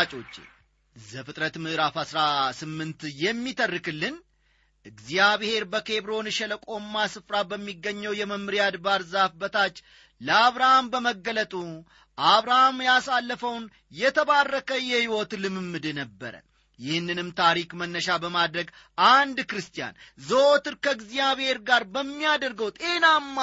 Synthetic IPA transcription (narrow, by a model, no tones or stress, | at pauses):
t͡ʃʼo̞t͡ʃːḛ | zəfɨt̪ʼɾət̪mɨʔɨɾafasɾasɨmːɨnt̪jɛmːit̪ʰərːɨkɨlːɨn | ʔɨɡzijaβhe̞ɾbəkʰe̞βɾonʃɛləkʼo̞mːasɨfɾabəmːiɡːəɲːəwjɛməmɨɾijad̪baɾzafbət̪ʰat͡ʃː | ləaβɾahambəməɡːələt̪ʼu | ʔaβɾahamjasalːəfəwn | jɛt̪ʰəβarːəkʰəjɛhiwɔt̪lɨmɨmːɨd̪ɨnəbːə̰ɾə̰ | jɪhɨnːɨnɨmt̪ʰaɾikmənːəʃabəmad̪ɾəɡ | ʔand̪kɾɨst̪ʰija̰nzəot̪ɨɾkəɨɡzijaβhe̞ɾɡaɾbəmːijad̪əɾɡəwt̪ʼe̞namːa